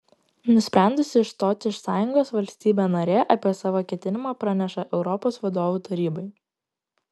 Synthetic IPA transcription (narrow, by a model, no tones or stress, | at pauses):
nʊsʲpʲɾʲæˑnd̪ʊsʲɪɪʃt̪oːt̪ʲɪɪʃsɑːjʊŋɡoːsʋɐlʲsʲt̪ʲiːbʲeːnɐɾʲeːʔɐpʲiɛsɑːʋoːkʲɛt̪ʲɪnʲɪmɑːpɾɑnʲɛʃɐʔɛʊɾɔpoːsʋɐd̪oːʋuːt̪ɐɾʲiːbɐɪ